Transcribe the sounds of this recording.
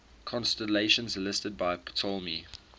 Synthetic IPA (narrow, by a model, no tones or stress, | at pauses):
kʰɔ̃nstəleɪʃə̃nzəlɪstəd̚baɪptʰɔlˠmi